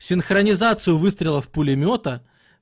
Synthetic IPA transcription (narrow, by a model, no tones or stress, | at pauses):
sʲɪnxɾənʲɪzat̪sɨjʊvɨst̪ɾʲɪlˠəfpʊlʲɪmʲo̞t̪ə